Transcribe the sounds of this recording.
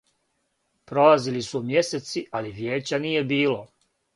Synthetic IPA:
pɾo̞lazilisumje̞set̪siʔaliʋjeːt͡ɕanije̞biːlo̞

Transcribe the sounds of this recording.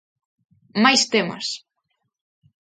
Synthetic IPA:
majst̪emɐ̰s

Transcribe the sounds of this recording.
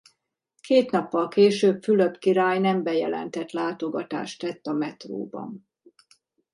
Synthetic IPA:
kʰeːt̪nɒpːɒlkeːʃøːpfyløbkiɾaːjnɛmbɛjɛ̰lɛ̰nt̪ɛt̪laːt̪o̞ɡɒt̪a̰ːʃt̪ɛt̪ːɒmɛt̪ro̰ːbɒ̰n

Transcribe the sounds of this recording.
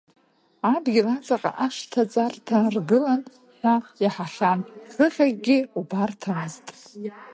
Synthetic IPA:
abɡʲirat͡sʼaqʼa̰ʔaʂtʰat͡sʼartʰarɡɨlan | ħʷᶣajaħaχʲanχɨχʲaɡɡʲɪubartʰamɨztʼ

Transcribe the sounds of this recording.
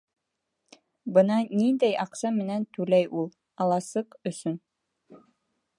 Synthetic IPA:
bɤnɑnind̪æjʔɑqsɑmɘ̆nænt̪ʉlæjulˠ | ɑlˠɑsɤqɵ̆sɵn

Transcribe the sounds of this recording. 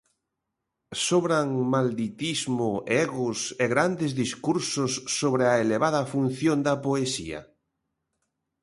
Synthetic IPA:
soβɾaŋmald̪it̪izmʊɛɣʊseɣɾand̪ɪzðiskuɾsʊsːoβɾeaeleβaðɐfun̟θjond̪ɐpoesḭɐ̰

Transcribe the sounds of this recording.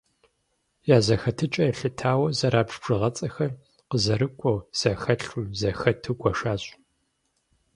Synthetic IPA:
jaːzɐxɐtʰɨt͡ʃʼɐjɛɬɨtʰaːwɐzɐɾaːbʂb̥ʐ̥ɨʁɐt͡sʼɐxɐr | qəzɐɾɨkʷʼɔwz̥ɐxɐɬuzɐxɐtʰɨɡʷɔʂaːɕʼ

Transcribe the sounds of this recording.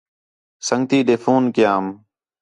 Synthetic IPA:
səŋɡt̪iːɗeːfʰuːnkɪjaːm

